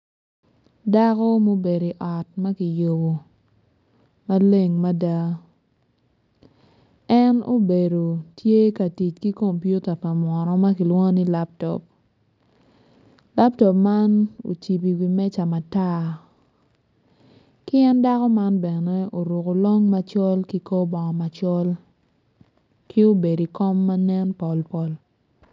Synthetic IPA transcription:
da˦kɔ˦mo˦be˨ɾi˨ʔɔ˨t̚mɐ˦ki˨jo˨wo˨ | ma˦le˦ŋma˦da˦ | ɛ˦no̰˦be˨do˨tʰje˦ka˨ti˨t͡ʃki˦ko˨mpju˦ta˨pa˨mɔ˨nɔ˦ma˦ki˨lwɔ˦ŋ˦ni˦la˦p̚tɔ̰˨p̚ | la˦p̚tɔ˨p̚ma˦no̰˨t͡ʃi˨p̬i˨ɡi˨mɛ˦t͡ʃa˨ma˨ta˦ | kɪ˦ɛ˦nda˦kɔ˦ma˦nbɛ˨nɛ˦o˨ɾu˨ko˨lɔ˦ŋma˨˦t͡ʃɔ˦lki˦ko˦bɔ˨ma˨t͡ʃɔ˦l | ki˦o˦be˨di˨kɔ˦mːa˦nɛ˦npɔ˨lpɔ˨l

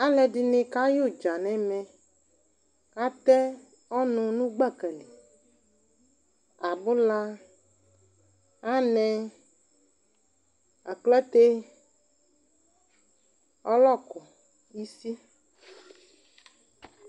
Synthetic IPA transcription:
a˨lɛ˨ɖi˨nẽ˨ka˦jo˦˨d͡ʒa˨nɛ̃˨mɛ̃˨ | ka˦t̪ɛ˦ | ɔ˦nũ˨nũ˦ɡ͡bɛ˦kɛ˨li˨ | a˨bo˦la˦ | a˦nɛ̃˨ | ɛ˨klɛ˦t̪e˦ | ɔ˦lɔ˦kɔ˨ | ji˦si˦

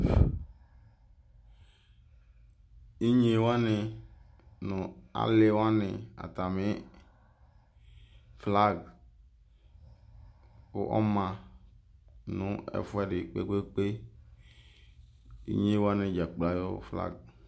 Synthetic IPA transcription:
i˦ɲe˨wa˦nɪ˨ | nʊ˨a̰˦le˨wa˦nɪ˨a̰˨ta˨mɪ˦ | fla˦ɡ | kʊ̰˦ʔɔ̰˦mã˨ | nʊ˦ɛ̰˦fʊ˦ɛ˦dɪ˨k͡pḛ˦ke˦k͡pe˦ | ḭ˦ɲe˦wa˦nɪ˨d͡ʒa˨k͡pla˨˦jɔ̰˦fla̰˦˨ɡ

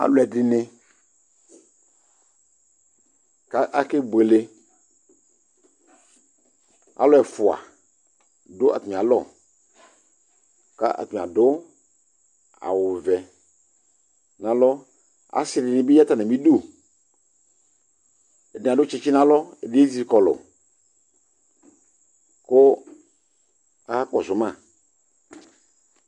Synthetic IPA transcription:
a̰˦lʊ˨ɛ˨dɪ˨nɪ˨ | ka˦ʔa˦kɪ˦be˨le˨ | a̰˦lʊ˦ɛ˨fʊ˨a̰˨ | dʊ˦a̰˨t̪mĩ˨a˨lɔ˦˨ | ka̰˦ʔa̰˨t̪ĩ˨a˨dʊ˦ | a̰˨wʊ˨vɛ˨ | nã˨lɔ˦ | a̰˨sɪ˦˨ɾɪ˨nɪ̃˨be˦a˦ta˨nɛ˨mi˦do˦˨ | ɛ˨dɪ˨a˨dʊ˦t͡ʃɪ˦˨t͡ʃɪ˦nã˦lɔ˦ɛ˨de˦e˦zi˨kɔ˨lɔ̰˨ | kʊ˦ | a˦ha˦k͡pɔ˨sʊ˨˦mã˦˨

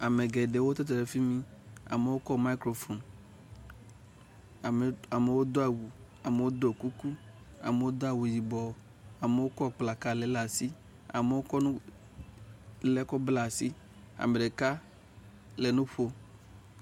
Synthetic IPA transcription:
a˨me˨ɡɛ˨ɖe˨wo˦t̪e˦t̪̬e˨ɾe˨fi˦mĩ˦a̰˨me˨wo˦kɔ˦˨ma˦kɾo˨fo˨n˨ | a˨me˨wo˦d̪o˦a˨wu˨ | a˨me˨wo˦d̪o˦˨ku˦ku˦ | a˨me˨wo˦d̪o˦a˨wu˨ji˨bɔ˨ | a˨me˨wo˦kɔ˦˨k͡pla˨ka˦lɛ˨˦la˨si˦ | a̰˨me˨wo˦kɔ˦nʊ̃˦ | lɛ˦kɔ˦bla˨si˦ | a̰˨me˨ɖe˨ka˦ | lɛ˨nʊ̃˦ɸo˦

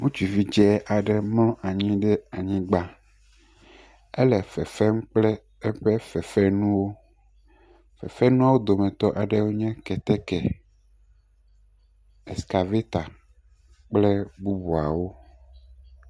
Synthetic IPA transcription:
wũ˦t͡ʃi˨vi˨˦d͡ʒɛ˦ʔa˨ɖɛ˨mɔ̃˦ʔa˨ɲĩ˦ɖɛ˦a˨ɲĩ˦ɡ͡ba˦ | e˦lɛ˨fɛ˨fɛ˦m̩˦k͡plɛ˦ | ɛ˦ɸɛ˦fɛ˨fɛ˦nũ˦wo˦ | fɛ̰˨fɛ˦nũ˦a˦wo˦d̪o˨mɛ̃˨t̪ɔ˦ʔa˨ɖɛ˦wo˦ɲɛ̃˦kɛ˨t̪ɛ˦kɛ˨ | e˨ska˨ve˦t̪a˨ | k͡plɛ˦bu˦bu˨a̰˨wo˦

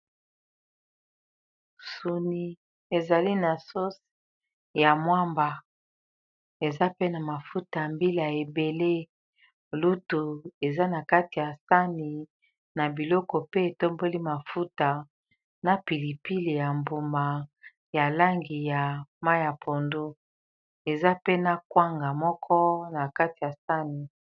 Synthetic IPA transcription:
su˨ni˨ | e˨za˨li˦na˨so˦s | ja˨mwa˦mba˨ | e˨za˦pe˦na˨ma˨fu˦ta˨mbi˦la˨e˨be˨le˦ | lu˦tu˨e˨za˦na˨ka˦ti˨ja˨sa˦ni˨ | na˨bi˨lɔ˦kɔ˨pe˦e˨to˦mbo˦li˦ma˨fu˦ta˨ | na˦pi˨li˨pi˦le˨ja˨mbu˨ma˨ | ja˨la˦ŋɡi˨ja˨ma˦ja˨pʰo˨ndu˦ | e˨za˦pe˦na˦kwa˦ŋɡa˨mɔ˦kʰɔ˦na˨ka˦ti˨ja˨sa˦ni˨

